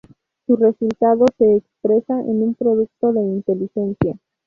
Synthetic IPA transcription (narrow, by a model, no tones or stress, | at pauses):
sure̞sult̪aðo̞se̞ːkspɾe̞saʔḛnumpɾo̞ðuk̚t̪o̞ðe̞int̪e̞lixe̞nsja